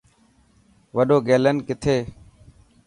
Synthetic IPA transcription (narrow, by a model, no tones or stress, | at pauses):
ʋəɗoːɡeːlənkɪt̪ʰeː